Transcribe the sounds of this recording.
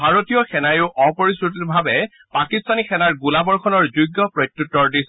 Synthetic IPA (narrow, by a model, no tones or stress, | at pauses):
bʱaɹotijɔxɛnajʊʔɔpɔɹisɹut̬ilbʱabɛ | pakistanixʰɛnaɹɡulabɔɹkʰɔnɔɹzujɡːɔpɹojkjutːɔɹdis